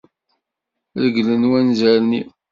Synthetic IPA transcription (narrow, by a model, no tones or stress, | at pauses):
ɾəɡlənwænzæɾni